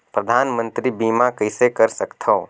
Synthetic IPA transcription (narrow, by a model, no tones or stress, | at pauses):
pɾəd̪ʱaːnmə̃nt̪ɾibiːmakəɪsekəɾsəkt̪ʰoː